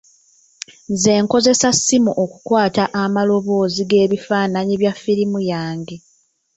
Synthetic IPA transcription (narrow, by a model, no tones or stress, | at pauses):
nze̞ːŋko̞ze̞sasːimuʔoku̥kwaːtaʔamalo̞βo̞ːziɡe̞ːβifaːnaɲiβjafːiɾimujaːŋɡe